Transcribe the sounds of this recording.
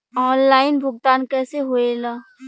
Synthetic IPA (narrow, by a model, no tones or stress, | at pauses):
ɔːnlaːɪnbʱʊɡ̚t̪aːnkɛːseɦoːelaː